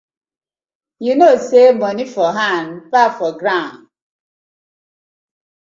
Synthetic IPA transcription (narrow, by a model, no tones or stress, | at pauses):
junosemɔnifɔɦãnpafɔɡɾãʊ̃n